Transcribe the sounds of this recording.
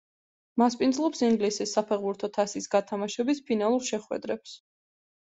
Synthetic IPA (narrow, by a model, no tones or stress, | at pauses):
maspʼind̪zlˠɔpsiŋɡlisisːapʰɛʁbuɾt̪ʰɔt̪ʰasisɡat̪ʰamaʃɛbispʰinalˠuɾʃɛχwɛ̰d̪ɾɛps